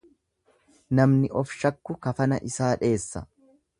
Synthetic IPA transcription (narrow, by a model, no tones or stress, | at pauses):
nɐmnɪʔɔfʃɐkːʊkɐfɐnɐʔɪsaːᶑe̞ːsːɐ̰